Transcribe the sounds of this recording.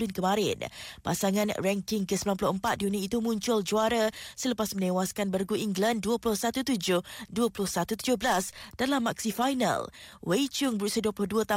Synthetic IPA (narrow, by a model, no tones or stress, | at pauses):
lʊnkəmãɾɪ̰npa̰saŋãnrɛŋkɪŋkəsəmbilanmpulʊhəmpat̪̚diuniit̪umũɲt͡ʃʊld͡ʒuaɾasələpasmə̃nẽwaskanbərɡuiŋɡlanduəpulʊhsat̪ut̪ud͡ʒʊhduəpulʊhsat̪ut̪ud͡ʒʊhbəlasd̥alamːaksifajna̰lwet͡ʃʊŋbəɾusiaduəplʊhduət̪a